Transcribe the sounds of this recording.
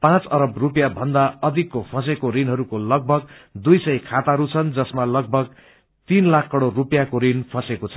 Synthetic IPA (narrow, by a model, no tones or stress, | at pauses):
pãt͡sʌɾʌbrupjabʱʌnd̪aʌd̪ʱikːopʰʌsekoɾinɦʌɾukolʌɡ̚bʱʌɡ̚d̪ujsʌjkʰat̪aɦʌɾut͡sʰʌnd͡zʌsmalʌɡ̚bʱʌɡ̚ | t̪inlakʰkʌɽorupjakoɾinpʰʌsekot͡sʰʌ